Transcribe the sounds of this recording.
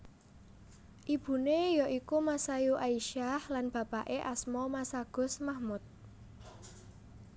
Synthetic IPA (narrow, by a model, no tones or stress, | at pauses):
ʔib̥ṳnejɔʔikumasajuʔaiʃahlanb̥ä̤paʔeʔasmɔmasaɡ̥ʊ̤smahmʊt̪̚